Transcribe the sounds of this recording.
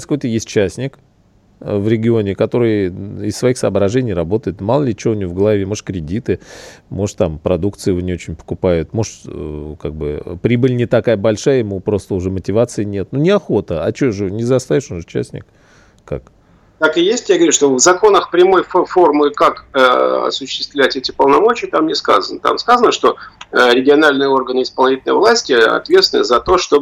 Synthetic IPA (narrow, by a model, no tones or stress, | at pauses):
skojʲt̪əjesʲt̚ʲt͡ɕːæsʲnʲɪk | vɾʲɪɡʲɪo̞nʲɪkɐt̪o̞ɾɨjɪsːvɐixsəːbɾɐʐɛnʲɪjrɐbo̞t̪əjɪt̪malˠlʲɪt͡ɕoʊnʲɪovɡəlˠɐvʲemo̞ʐkɾʲɪdʲit̪ɨmo̞ʐt̪t̪ampɾɐd̪ukt̪sɨɪonʲɪo̞t͡ɕɪnʲpə̥kʊpajʊt̪mo̞ʂkaɡ̚bɨpɾʲibɨlʲnʲɪt̪ɐkajəbɐlʲʂajəjɪmupɾo̞st̪əʊʐɛmətʲɪvat̪sɨɪnʲe̞t̪̚nunʲɪɐxo̞t̪əɐ̰t͡ɕoʐɨnʲɪzɐst̪avʲɪʂnt͡ɕæ̰sʲnʲɪ̰k̚ | kːa̰k | t̪akɨjesʲtʲjaɡəvɐɾʲuʂt̪o̞vzɐko̞nəxpɾʲɪmo̞jffo̞rmɨkakəɐ̰sʊɕːɪ̥st̪vlʲætʲɛtʲɪpəlˠnɐmo̞t͡ɕɪət̪amnʲɪska̰zə̰nət̪a̰mskazənəʂt̪o̞ɾʲɪɡʲɪɐnalʲnɨjəo̞rɡənɨɪspɐlˠnʲitʲlʲnə̰jvlˠasʲtʲɪɐ̰t̪vʲet̪sʲɪnəzɐt̪o̞ʂt̪o